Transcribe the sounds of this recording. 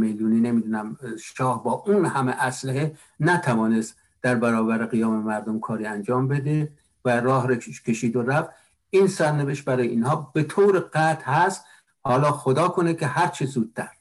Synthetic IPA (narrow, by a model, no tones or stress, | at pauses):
meluːniːne̞miːd̪uːnæmʃɒːhbɒːʔunhæmeʔæslæɦe | næt̪ʰævɒːne̞st̪ | d̪̥æɾbæɾɒːbæɾeɣijɒːmemæɾd̪omkʰɒːɾiːænd͡ʒɒːmbe̞d̪e | væɾɒːɦɾeʃkʲʰe̞ʃiːd̪oɾæft̪ | iːnsæɾneveʃt̪̚bæɾɒːjeiːnhɒːb̥et̪ʰoɾeɢæt̪ʰhæst̪ | hɒːlɒːxod̪ɒːkʰo̞nekʰehæɾt͡ʃʰezuːd̪̚t̪æɾ